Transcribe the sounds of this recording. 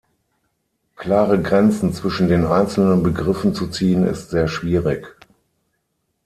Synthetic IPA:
kl̥aːʁəɡʁɛnt͡sn̩t͡sv̥ɪʃn̩deːnʔaɪnt͡sl̩nənbəɡʁɪfn̩t͡sut͡siːənɪ̰stz̥eːɐʃv̥iːʁɪk

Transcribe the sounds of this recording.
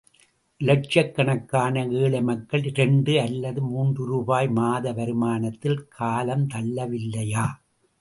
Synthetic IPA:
lɐʈ̚t͡ʃɐkːɐɳɐkːaːnɐeːɭɐmɐkːɐɭɾɛɳɖɯɐlːɐðɯmuːndrɯɾuːbaːjmaːðɐʋɐɾɯmaːnɐt̪ːɪlkʰaːlɐmt̪ɐlːɐʋɪlːɐjaː

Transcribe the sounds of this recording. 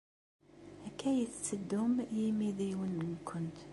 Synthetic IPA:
ækːæjət͡sːt͡sːəd̪ːʊmjimiðiwənːmkʰːʊnt̪

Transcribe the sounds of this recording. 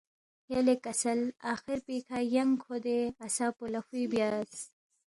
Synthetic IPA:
jalekasalaːxɪɾpikʰajaŋkʰod̪easaːpulaxibjaːs

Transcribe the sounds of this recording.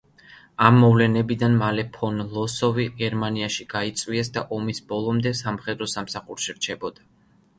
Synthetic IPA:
amːɔvlɛnɛbid̪anmalɛpʰɔnlˠɔsɔviɡɛɾmaniaʃiɡ̥ait̪sʼwiɛsd̪aʔɔmisbɔlˠɔmd̪ɛsamχɛd̪ɾɔsamsaχuɾʃiɾt͡ʃʰɛbɔd̪̥a

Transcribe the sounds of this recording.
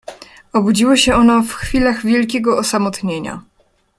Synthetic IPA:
ɔbud͡ʑiwɔɕɛɔnɔfxfʲilaɣvʲjɛlk̬ʲeɡɔɔsamɔt̪ɲeɲa̰

